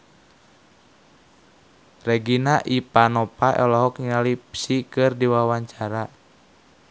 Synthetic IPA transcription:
rɛɡinaʔipanɔpaʔɛ̰lɔɦɔkɲialipsikɨrdiwawaɲt͡ʃaɾa

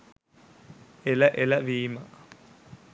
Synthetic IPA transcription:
eləʔeləʋiːmə

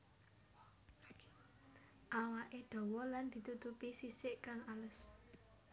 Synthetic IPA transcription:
ʔawaʔed̪̥ɔ̤wɔland̪̥i̤t̪ut̪upisisɪʔkaŋalʊs

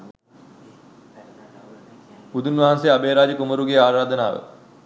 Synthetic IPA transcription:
bud̪unʋɐɦanseabeːɾaːd͡ʒəkuməɾuɡeaːɾaːd̪əna̰ːʋə̰

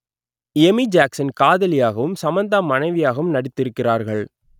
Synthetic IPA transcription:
emid͡ʒaːksɐnkaːðɐlɪjaːɣɐʋɯmsɐmɐnd̪amɐnɐɪʋɪjaːɣɐʋɯmnɐɽɪt̪ːɪɾɯkːɪraːɾɣɐɭ

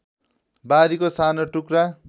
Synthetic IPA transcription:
baɾikosanoʈukra

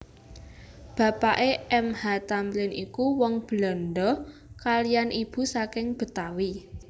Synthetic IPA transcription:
b̥ä̤paʔeɛmhat̪amblɪnikuwɔŋb̥əlɔnɖɔ | kalijanʔib̥ṳsakɪŋb̥ə̤t̪awi

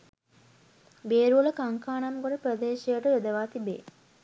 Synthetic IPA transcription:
beːɾuələkaŋkaːnamɡoɾəprəd̪eːʃijəʈəjod̪əʋaːt̪ibḛː

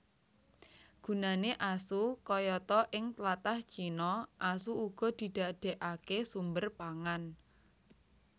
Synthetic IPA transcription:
ɡ̥ṳnaneʔasukɔjɔt̪ɔʔɪŋt̪lat̪aht͡ʃinɔʔasuuɡ̥ɔ̤d̪̥i̤d̪̥a̤ɖ̥e̤ʔakesumbərpaŋan

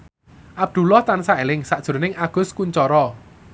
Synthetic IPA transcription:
ʔab̚d̪̥ṳlɔht̪ansaelɪŋsaʔd̥ʒ̥o̤ɾonɪŋaɡ̥ʊ̤skuɲt͡ʃɔɾɔ

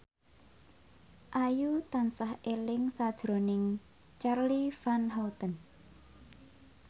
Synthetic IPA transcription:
ʔajut̪ansahelɪŋsad̥ʒ̥ɾonɪŋ | t͡ʃarlifanɦawt̪ən

